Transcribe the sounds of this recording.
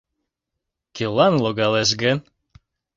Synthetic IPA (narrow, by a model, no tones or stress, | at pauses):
kelˠɑnloɣɑleʃ̬ɡən